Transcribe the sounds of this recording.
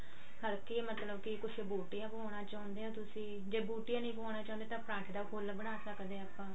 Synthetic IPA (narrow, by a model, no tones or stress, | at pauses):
həɾkeːmət̪ləbkɪkʊt͡ʃʰbuːʈijãːpoːɳaːt͡ʃaːʊ̃nd̪eːaːt̪ʊsĩː | d͡ʒeːbuːʈɪjãːnəĩːpoːɽ̃aːt͡ʃãːnd̪eːt̪ãːpɾãːɳʈʰd̪aːkʊlbəɽ̃aːsəkd̪eːəpːãː